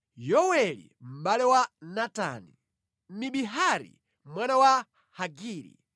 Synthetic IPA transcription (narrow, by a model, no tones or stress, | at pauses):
jɔwɛlḭm̩ɓalɛwanata̰ni | miɓiɦaɾḭ | mwanawa | haɡiːɾḭ